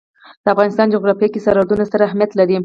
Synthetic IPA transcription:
d̪̥əafɣɑnɪst̪ɑnd͡ʒoɣɾɑfakisaɾad̪unasaɾaahmijat̪laɾi

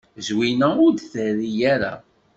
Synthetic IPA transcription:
zwinæʊɾd̪θəɾijæɾa̰

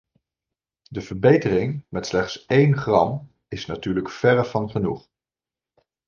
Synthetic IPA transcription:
dəvəɹbejtərɪŋmɛtslɛχtsejnχrɑm | ɪsnatyːɹləkfɛɹəvɑnχənuχ

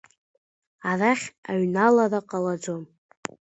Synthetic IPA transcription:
araχʲaɥnalaraqʼalad͡zom

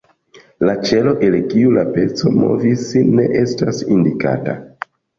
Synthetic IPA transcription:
lat͡ʃe̞lo̞ʔe̞lkiulape̞t͡so̞mo̞̰visne̞ʔe̞stasindika̰ta

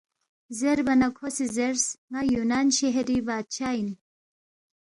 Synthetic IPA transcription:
zeɾbɐnakʰosizeɾsŋajunanɕeɦeɾibaːt̪̚t͡ʃʰain

